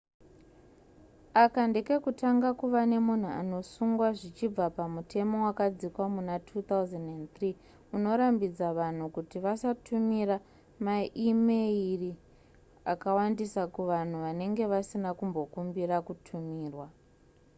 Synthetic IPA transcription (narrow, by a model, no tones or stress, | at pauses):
akandeke̞kutaŋɡakuʋane̞mun̤ua̰no̞suŋɡwaʐit͡ʃib͡vapamutʰe̞mo̞wakad͡zikwamunatʰut̪auzendent̪ri | uno̞ɾambid͡zaʋan̤ukutiʋasatʰumira | maʔimeiri | akawandisakuʋan̤uʋane̞ŋɡe̞ʋasinakumbo̞kumbirakutʰumiːrwa